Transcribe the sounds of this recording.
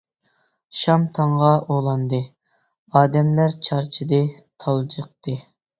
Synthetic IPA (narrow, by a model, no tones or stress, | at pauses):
ʃɑmt̪ʰɑɴʁɑʔolˠɑnd̪ɨ | ɑːd̪ɛmlæɾt͡ʃʰɑɾt͡ʃʰid̪ɨt̪ʰɑlˠd͡ʒəq̚t̪ɨ